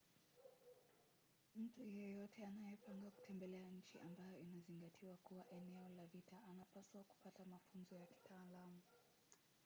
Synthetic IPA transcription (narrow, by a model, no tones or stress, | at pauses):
m̩tujɛjɔtʰɛanajɛpaŋɡaku̥tʰɛmbɛlɛaɲ̩t͡ʃḭʔambajɔinaziŋɡatʰiwakuwaʔɛnɛɔlavitaʔanapaswaku̥patamafunzɔjaki̥tʰaːlamu